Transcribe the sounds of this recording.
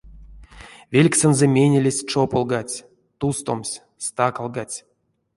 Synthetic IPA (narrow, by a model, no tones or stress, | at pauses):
vʲelʲksʲənzəmʲenʲelʲesʲt͡ʂopolˠɡat͡sʲ | t̪ust̪o̰msʲ | st̪akalˠɡat͡sʲ